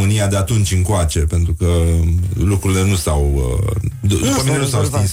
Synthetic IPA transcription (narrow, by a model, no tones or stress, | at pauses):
mɨnijad̪e̞at̪unt͡ʃʲɨŋkoat͡ʃe̞pe̞nt̪ɾukə | lukɾuɾile̞nusawə̰d̪ud̪upəminenusawsk̪ins